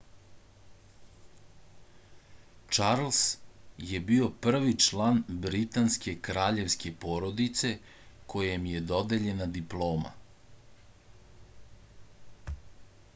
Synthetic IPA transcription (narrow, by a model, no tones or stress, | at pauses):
t͡ʃaɾlˠsje̞bio̞pr̩ʋit͡ʃlaːnbɾit̪anske̞kɾaːʎe̞ʋske̞poːɾod̪it̪se̞ | kʰo̞jemje̞d̪o̞d̪eʎe̞nad̪iplˠo̞ːma̰